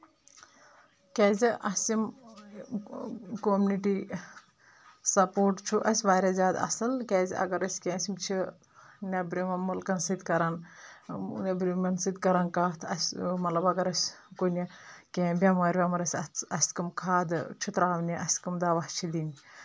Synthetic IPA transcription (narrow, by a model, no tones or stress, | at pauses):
kʲɛːziʔɐsim | komuniʈi | sɐpoːʈt͡ʃʰuʔɐsʲʋaːɾʲɐzʲaːd̪ɐ̰sɨlkʲɛːzʲɐ̰ɡɐɾɐsʲkʲɛ̃ːsimt͡ʃʰi | nʲɐbɾimɐmulkɐnsɨd̪kɐɾɐn | nɐbɾimɐnsɨd̪kɐɾɐnkaːt̪ʰɐsʲmɐt̪lɐbɐɡɐɾɐsʲkonʲɐkʲɛ̃ːbʲɐmɐːɾʲʋʲɐmɐɾɐsʲɐsʲkɐmkʰaːd̪ɨt͡ʃʰut̪ɾaːʋnʲiʔɐsʲkumd̪aːʋɐht͡ʃʰid̪inʲ